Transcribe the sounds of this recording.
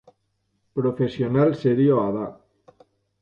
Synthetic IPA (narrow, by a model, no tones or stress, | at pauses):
pɾofesionalseɾioaða